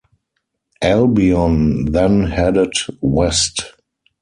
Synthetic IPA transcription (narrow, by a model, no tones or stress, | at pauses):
ʔɛlbiɔ̃nðɛ̃nhɛdɪtwɛst